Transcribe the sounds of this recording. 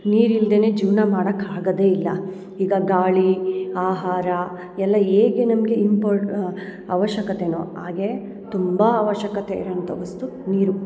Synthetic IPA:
niːɾild̪ene̞ːd͡ʒiːʋnamaːɽɐkːaːɡɐd̪e̞ːilːɐ | iːɡɐɡaːɭiaːɦaːɾɐ | ɛlːɐeːɡenɐmɐɡe̞impoːɾ | ɐʋɐʃjɐkɐt̪eno̰ːɦaːɡe̞ | t̪umbɐːʋɐʃjɐkɐt̪eḭɾoɐnt̪ɐʋɐst̪u | niːɾu

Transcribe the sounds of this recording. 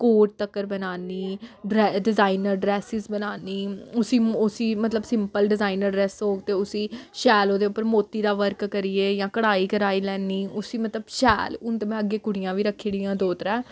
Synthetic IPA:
koːʈ̚t̪əkːəɾbənaːniːɖɾɛɖɪzaːinəɾɖɾɛːsɪzbənaːniːʊsiːʊsiːmət̪ləbsɪmpəlɖɪzaːinəɾɛːsɦoːɡ̚t̪eːʊsiːʃɛːloːd̪eːʊpːəɾmoːt̪ːiːd̪aːʋəɾkkəɾiːeːjãːkəɽaːiːkəɾaːiːlɛːniːʊsiːmət̪ləbʃɛːlʊnt̪əmɛ̃ːəɡːeːkʊɽɪjãːʋiːɾəkʰːeːɽɪjãːd̪oːt̪əɾãː

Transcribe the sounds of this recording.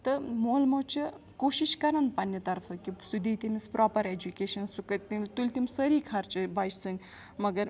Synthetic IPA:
t̪ɨmoːlmɐt͡ʃʰi | koːʃiʃkɐɾɐnpɐnjɐt̪ɐɾfɐkisud̪ʱiːt̪imispɾʔɔːpɐɾed͡ʒukʲeːʃɐnsukɐt̪it̪ulʲt̪imsɐɾiːkʰɐɾt͡ʃibɐːjʰsɨŋɡ | mɐɡɐɾ

